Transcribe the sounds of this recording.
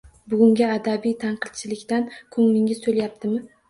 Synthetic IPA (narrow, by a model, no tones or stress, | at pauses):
bʊɡʲʊŋɡʲaad̪abijt̪ʰanqʰɨd̪̚t͡ʃʰɪlɪkʲt̪ankʰʊŋmɪŋʲɪsolajap̚t̪ʰɪmɪ